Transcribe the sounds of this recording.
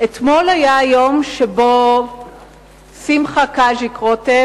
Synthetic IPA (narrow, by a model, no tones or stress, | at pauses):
ʔet̪mo̞lajajo̞mʃebo | simχakaʒikʁote